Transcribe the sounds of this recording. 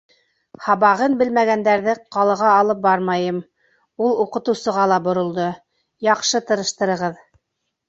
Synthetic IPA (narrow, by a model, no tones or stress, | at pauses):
hɑβɑʁɤnbɘlmæɣænd̪æɾðɘqɑlˠɤ̆ʁɑːlˠɤp̚bɑɾmɑjɤm | ulˠuqɤ̆t̪ɤ̆wsɤ̆ʁɑlˠɑbŏɾŏlˠd̪ɤ | jɑqʃɤt̪ɤ̆ɾɤ̆ʃt̪ɤ̆ɾɤ̆ʁɤð